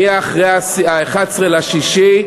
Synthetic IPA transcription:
iaːχʁejasaeχadsʁelaʃiʃi

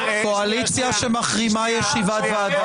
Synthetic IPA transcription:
koalit͡sjaʃemaχʁimajeʃivat̪vad̪

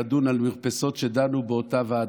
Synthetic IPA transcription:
dunalmiʁpeso̞tʃed̪anubeotavaː

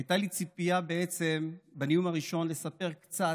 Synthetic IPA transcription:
ajt̪alit͡sipijabeet͡se̞mbenijumaʁiʃo̞nle̞sape̞ʁkt͡sa

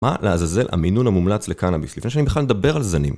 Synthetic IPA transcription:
maleazaze̞lʔa̰minunamumlat͡slekanabislifneʃ̬anibeχaled̪abe̞ʁalzanim

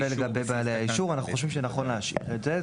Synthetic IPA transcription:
eleɡabe̞jbaːlejhaiʃuʁanaχu̥χo̞ʃvimʃezenaχo̞nleaʃḭtetze

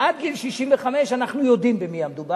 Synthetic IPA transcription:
ad̪̚ɡilʃiʃimveχame̞ʃanaχnujo̞d̪imbemiamed̪uba

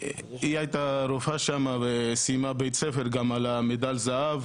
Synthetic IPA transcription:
iajt̪aɾɔfaʃamavɛsimabɛjt͡sʰɛfɛɾɡɑmɑlamɛd̪alzaːv

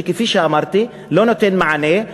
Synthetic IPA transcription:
ikifiʃaːmɑɾˤt̪i | loːnot̪enmaʕaneː

